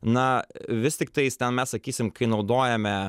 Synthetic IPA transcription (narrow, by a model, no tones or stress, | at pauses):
nɐʋʲɪst̪ʲɪk̚t̪ɐɪst̪ʲɛnmʲɛssɐkʲiːsʲɪmkɐɪnɐʊd̪oːjɛmʲɛ